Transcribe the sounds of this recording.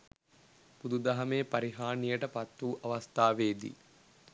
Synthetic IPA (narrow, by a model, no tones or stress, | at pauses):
pud̪ud̪ɐɦɐmeːpɐɾiɦaːɳijəʈəpɐt̪ːuːʔɐʋɐst̪ʰaːʋeːd̪ḭ